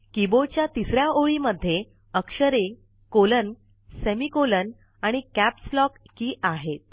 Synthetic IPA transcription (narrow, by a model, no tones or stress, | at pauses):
kibot͡ɕjat̪isɾjaʔoɭiməd̪ʱːje | əkʂəɾe | kolən | semikolən | aɽ̃ikæpslɔkːiːʔaɦet̪̚